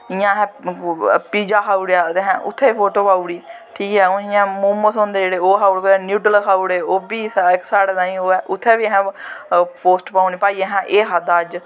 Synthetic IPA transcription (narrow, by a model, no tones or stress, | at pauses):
ɪjãːɦɛ̃ː | piːd͡ʒaːkʰaːuɽjaːt̪eːɦɛ̰̃ːʔʊ̰t̪ʰːeːipʰoːʈoːpaːuːɽiː | ʈʰiːkɦɛːɪãːmuːmosõːnd̪eːd͡ʒeːɽeːoːɦaːuɽkːnjuːʈəlkʰaːuɽeːoːbiːsaɪksaːɽed̪ãːĩːoːʔʊt̪ʰːeːbiːɦɛ̃ː | pʰoːsʈpaːuniːpaːiːɛ̃ɦɛ̃ːʔeːɦad̪aːd͡ʒ